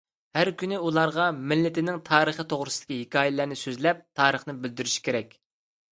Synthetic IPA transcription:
hæɾkʲynɪulˠɑɾʁɑmɪlːɪt̪ɪnɪŋt̪ʰɑːɾəχət̪ʰoʁɾʊsɨd̪̥ɪ̥kʲʰiɦekʲʰɑːjɪlæɾnɪsøzlɛp̚t̪ʰɑːɾəχnɪbɪld̪yɾyʃi̥kʲʰeɾɛkʲ

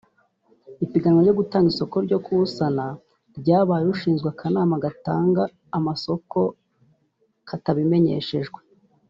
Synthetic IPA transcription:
ipiɡanŋwaɾɟo̞ɡutaːŋɡiso̞ko̞ɾɟo̞kuusana | ɾɟaːβaːjeuʃiːnzɡwakʰanaːmaɡataːŋɡaː | maso̞ko̞ | kʰataβime̞ɲe̞̰ʃe̞ʒɡwe̞

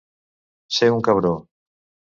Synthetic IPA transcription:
seuŋkɐβɾo

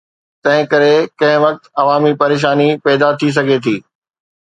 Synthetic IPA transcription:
t̪ɐ̃ɦɪ̃kɐɾekɐ̃ɦɪ̃ʋɐk̚t̪ɐʋaːmipɐɾeːʃ̬aːnipɛːd̪at̪ʰis̬ɐɡʱet̪ʰiː

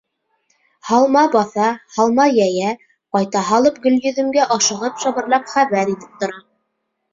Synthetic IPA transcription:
hɑlˠmɑbɑθɑhɑlˠmɑjæjæ | qɑjt̪ɑɦɑlˠɤp̚ɡɵ̆lʲjɵ̆ðɘ̆mɡæʔɑʃɤ̆ʁɤpʃɑβɤ̆ɾlˠɑpχæβæɾit̪ɘ̥p̚t̪ŏɾɑ

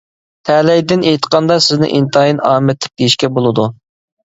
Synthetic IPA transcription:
t̪ʰɛlɛjd̪ɪnejt̪ə̥qʰɑnd̪ɑsɪznɪ̰ʔḭnt̪ʰɑjinɑːmɛt̪ʰlɪ̥p̚d̪̥ejiʃkʲɛbolˠɨd̪u

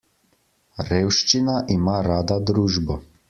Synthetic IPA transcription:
ɾeːwʃt͡ʃinaʔimaːɾaːd̪ad̪ɾuːʒbɔ

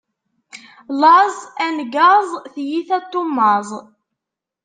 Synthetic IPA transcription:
lɑzˤænɡɑzˤθjiθæt̪ˤːomːɑzˤ

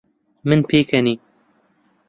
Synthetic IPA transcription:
mɨnpʰeːkʰɛniː

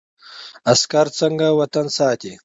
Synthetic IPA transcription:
askaɾt͡səŋɡawat̪ansɑːt̪i

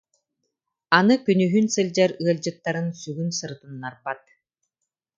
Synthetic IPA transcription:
anɯkynyɦynsɯlʲd͡ʑaɾɯɐlʲd͡ʑɯt̪ːaɾɯnsyɡynsɯɾɯt̪ɯnːaɾbat̪̚

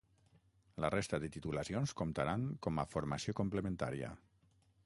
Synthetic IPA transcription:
lərest̪əðət̪it̪ulasionskomt̪aɾaŋkɔmafoɾmasiokumpləmẽnt̪a̰ɾiə̰

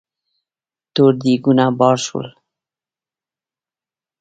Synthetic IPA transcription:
t̪oɾd̪iɡunabɔɾsṵl

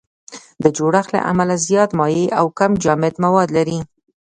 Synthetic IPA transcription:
d̪əd͡ʒoɽaxla̰ʔa̰malazjɑt̪mɑjeʔawkamd͡ʒɑmɪd̪mawɑd̪laɾi

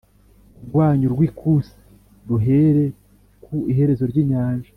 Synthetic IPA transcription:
ɡwaːɲuɾɡwiːkʰusi̥ | ɾuɦe̞ɾe̞ | kʰuiɦe̞ɾe̞zo̞ɾɟiːɲaːnʒa

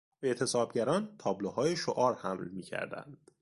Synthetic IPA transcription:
be̞t̪ʰe̞sɒːbɟæɾɒːnt̪ʰɒːblohɒːjeʃoʔɒːɾhæmlmiːcʰæ̰ɾd̪æ̰nd̪̥

